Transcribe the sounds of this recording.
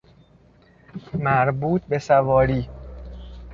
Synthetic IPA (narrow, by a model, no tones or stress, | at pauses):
mæɾbuːt̪̚ʰbe̞sævɒːɾiː